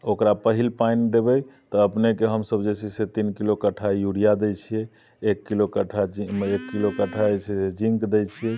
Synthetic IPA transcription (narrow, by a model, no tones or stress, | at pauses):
okɾapəɦilpajnd̪ebɛjt̪ɔəpnekeɦəmsəbd͡ʒesʰiset̪inkilokəʈʰajuɽijad̪ejt͡ʃʰijɛ | ekːilokəʈʰad͡ʒiekːilokəʈʰad͡ʒesised͡ʒĩŋkd̪ejt͡ʃʰijɛ